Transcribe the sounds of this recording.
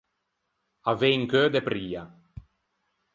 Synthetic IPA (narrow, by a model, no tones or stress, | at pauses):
avejŋkød̪epɾiːa